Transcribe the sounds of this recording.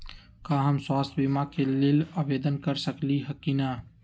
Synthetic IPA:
kaɦəmswaːst̪ʰbimakeleːlabeːd̪ənkəɾsəkliɦəkina

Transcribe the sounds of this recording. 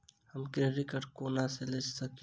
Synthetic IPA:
həmkeɾɪkəʈkonaseləd͡ʒsək

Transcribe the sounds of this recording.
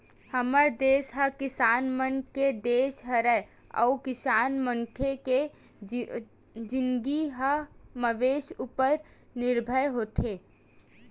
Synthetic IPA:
həməɾd̪eːʃɦəkɪsaːnmənked̪eːʃɦəɾə | ɔ̰ːkɪsaːnməŋkʰeke | d͡ʒɪnɡiɦəməʋeːʃupəɾ | nɪɾbʱəjɦoːt̪ʰeː

